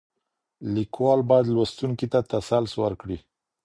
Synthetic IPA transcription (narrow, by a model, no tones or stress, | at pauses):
likwɑlbɑjad̪lwast̪uŋkit̪at̪asalswə̰ɾkɽi